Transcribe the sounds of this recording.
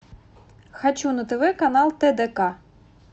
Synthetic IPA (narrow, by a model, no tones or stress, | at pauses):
xɐt͡ʃunɐt̪eʋɛkɐnɑlˠt̪ɛd̪ɛkɑ